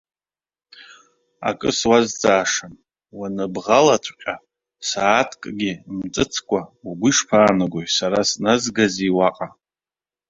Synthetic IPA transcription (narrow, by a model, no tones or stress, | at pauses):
a̰kʼɨswazd͡zʼaːʂan | wanɨbʁalatʷʰqʲʼa | saːtʰkʼɡʲɪmt͡sʼɨt͡sʰkʷʼauɡʷiʂpʰaːnɨɡʷojsaɾasnazɡaziwaqʼa